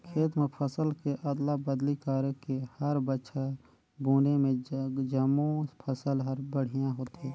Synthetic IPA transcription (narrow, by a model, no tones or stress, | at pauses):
kʰeːt̪mẽpʰəsəlkeʔəd̪labəd̪likaːɾkehɐɾbətːʃʰa | buːnemẽd͡ʒəmõpʰəsəlɦəɾbəɽ̤ijãɦoːt̪ɦeː